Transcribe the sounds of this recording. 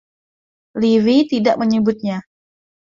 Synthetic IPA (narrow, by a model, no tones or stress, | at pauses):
liwit̪idaʔməɲəbʊt̪̚ɲa